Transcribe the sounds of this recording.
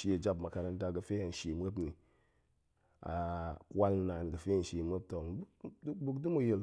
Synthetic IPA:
ʃi˦a˨d͡ʒa˦pma˨ka˨ɾa˨n˦da˨ɡə˨fe˦a˨n̩˨ʃi˨mʷ˦e˦pni˨ | a̰˨kʷa˦lna˨nɡə˨fe˦n̩˨ʃi˨mʷe˦p̚to˨˦bu˦kdu˦mu˦je˨l

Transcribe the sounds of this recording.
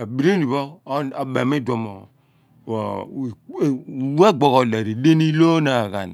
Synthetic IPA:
a˨bi˨ɾe˦ni˨βo˦a˨be˨me˦dwo˨mo˨ | we˦ɡ͡bo˨ɣo˨le˨ɾi˨de˦ni˦lo˦na˨ɣa̰˨n˨

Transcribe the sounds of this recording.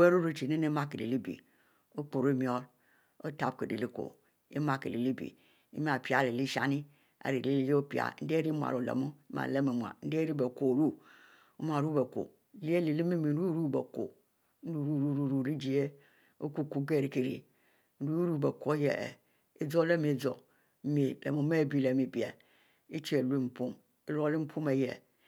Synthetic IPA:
e˦ɾu˦ɾu˦t͡ʃi˨ne˦ne˦ma˦ke˨lḛ˨li˦bḭ˨ | o˦k͡po˨ɾe˦mi˨˦ɔ˦l | o˦ta˦˨b̚kḛ˨dḛ˨li˦ko̰˨ | ḛ˦ma˦kḛ˨li˨li˦bḭ˨ | ḭ˦mi˦a˨pi˨a˨le˨li˦ʃa˦ni˦ | a̰˨ɾi˨li˨˦li˦je˦o˦pi˨a̰˨˦n̩˦de˦ɾi˦mʷu˨a̰˨ɾo˨lḛ˨mu˦ma̰˨le˦me˨mʷ˨a̰˨n̩˦de˦ɾi˦be˨ko˨ɾu˦ | m˦a˨ɾu˦be˨ko̰˨ | li˦e˦li˨li˦mi˦mi˨˦u˦ɾu˦be˨ko̰˨˦ | u˦˨ɾu˦˨ɾu˦ɾu˦ɾu˨li˦d͡ʒi˨e˦ | o̰˦ku˦ku˨ɡe˦˨ɾi˨ki˨ɾḭ˨˦ | ɾu˦ɾu˦˨bɛ˨ko˦jḛ˨ | e˦d͡zo˦le˦me˨d͡zo˨˦ | me˨lḛ˨mu˨˦me˦˨bi˦le˨mi˨bi˨ḛ˨ | i˦t͡ʃi˦e˨lu˦i˦m̩˨pu˦m | i˦lo˦li˦m̩˦pʰu˦me˨jɛ̰˨

